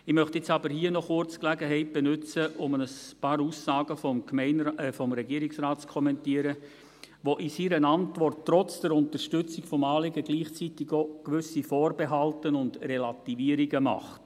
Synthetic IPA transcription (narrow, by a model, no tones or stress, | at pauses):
ɪmœχtɪt͡sɑbəɾhiənɔχʊrt͡sklæɡəɦɛɪt̚b̥ɛnʉt͡səʔʊmənəspɑːɾuːsːɑːɡəfɔmkmɛɪnfɔmɾɛɡiəɾiksraːt̚t͡skʰɔmɛntiəɾə | ʋoʔɪsiɾənɑntʋɔrtːrɔt͡sd̥ɛɾʊnt̪əɾʃtʏt͡sɪɡfɔmɑːlɪɡəɡliːχt͡sitiɡokʋʏsifɔːrbeɦɑltənʊndrelɑtiviəɾiɡəmɑ̰χt